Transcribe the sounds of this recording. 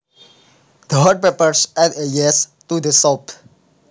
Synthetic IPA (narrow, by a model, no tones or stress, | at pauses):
d̪əɦəɖ̚pepəɾsɛdəjɛs | tud̪əsɔp